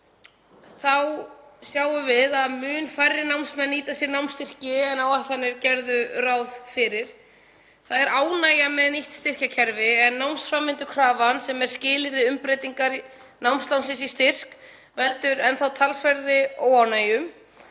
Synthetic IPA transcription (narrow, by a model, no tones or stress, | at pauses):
θawsjaːwʏvɪðaðmʏːnfajrːɪnawmsmɛnːiːt̪asjɛɾnawmst̪ɪr̥cɪɛnawaht̪hanːɪɾcɛɾðʏrawðfɪɾɪɾ̥ | θaðɛɾaːwnaːjamɛðniht̪st̪ɪr̥cacʰɛɾvɪɛnːawmsfɾamːɪnt̪ʏkʰɾaːvansɛmɛɾ̥scɪːlɪɾðɪʏmpɾejt̪iŋkaɾ | nawmst̪lawns̬ɪsist̪ɪr̥k | vɛlt̪ʏɾɛnθawt̪ʰalsvɛɾðɪɔɣawnaːjʏm